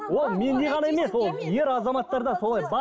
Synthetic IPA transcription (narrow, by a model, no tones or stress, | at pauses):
wolˠme̞nneʁɑnɑjeme̞swolˠje̞ɾɑzɑmɑt̪ːɑɾd̪ɑso̞lˠɑjbɑ